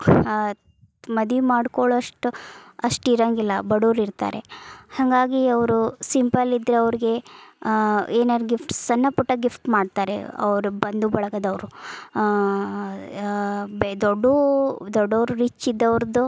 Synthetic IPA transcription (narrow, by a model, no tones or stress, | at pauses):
mɐd̪ʋimaːɽkoɭɐʂʈuɐʂʈiɾɐŋɡilːɐbɐɽuːɾiɾt̪a̰ːɾe̞̰hɐŋɡaːɡiɐʋɾusimpɐlid̪ɾeɐʋɾiɡe̞ | eːnaːɾɡifʈsɐnːɐpuʈːɐɡifʈmaːɖt̪aːɾḛɐ̰ʋɾubɐnd̪ubɐɭɐɡɐd̪ɐʋɾu | bd̪oɖːud̪ɔɖːɐʋɾuɾit͡ʃːid̪ːɐʋɾd̪u